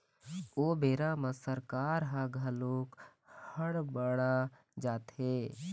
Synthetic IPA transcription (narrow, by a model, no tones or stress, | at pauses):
oːbeːɾamə̃səɾkaːɾɦãɡʱəloːk | həɽbəɽa | d͡ʒaːt̪ɦeː